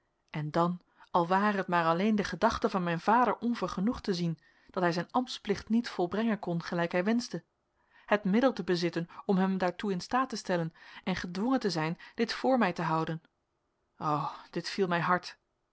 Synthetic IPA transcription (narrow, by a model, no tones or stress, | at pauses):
ʔɛndɑn | ɑlˠʋaːrəɦətmaːɹɑlejndəχədɑχtəvɑnmɛjnvaːdəɹʔɔnvəɹχənuχtəzin | d̥ɑtɦɛjzɛjnɑmtsplɪχtnitfɔlˠbrɛŋənkɔnχəlɛjkɦɛjʋɛnzdə | hətmɪdəlˠtəbəzɪtənɔmɦɛmdaːɹtuɪnstaːtəstɛlənɛnχədʋɔŋəntəzɛjnd̥ɪtfʊːɹmɛjtəɦɑwdən | owd̥ɪtfilˠmɛjɦɑɹt